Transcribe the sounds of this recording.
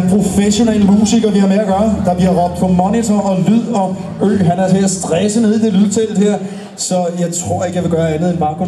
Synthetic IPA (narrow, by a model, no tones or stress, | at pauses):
npʰʁo̝feɕo̝neləmuːsiɡ̥ɐʋihɑ̈meɐɡ̥ɶːɐd̥ɑ̈b̥liɐʁɒ̽b̥̚d̥pʰɒ̽mɒnit͡sʰɒɒ̽lyð̰ˠɒ̽ | ø̰ːɦænæɐt͡sʰe̝æsd̥ʁɛsəne̝ðˠid̥e̝lyð̰ˠt͡sʰeld̥heɐ̰ | sɒ̽jɑ̈ɪt͡sʰʁo̝ɐ̰eɡəjɑ̈ʋe̝ɡ̥ɶːɐænð̩ˠenmɑ̈ɡ̥ʰo